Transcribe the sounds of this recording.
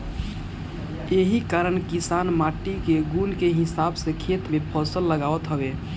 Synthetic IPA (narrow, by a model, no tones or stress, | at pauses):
eɦikaɾəɳkisanmaʈikeɡunkeɦisabsekʰet̪mepʰəsəlːəɡaət̪ɦəbe